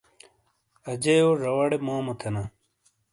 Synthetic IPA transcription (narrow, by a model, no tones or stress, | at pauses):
ɐd͡ʑɐjoʐɐwɐɽemaːmɐt̪ʰenɐ